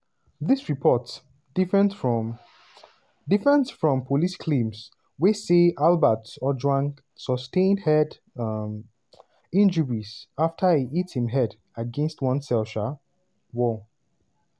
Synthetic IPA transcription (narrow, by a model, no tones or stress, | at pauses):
ðisɹipʰɔt | d̥ifɹɛ̃nfɹɔ | difɹɛ̃ntsfɹɔ̃mpʰoliskʰlẽms | weseʔalbətɔd͡ʒwãŋk | sɔstẽɪ̃ndhɛd | m | ĩnd͡ʒəɹizaftʰəiʔithĩmɦɛd | aɡɛ̃nstwʌ̃nsɛlʃə | wɔ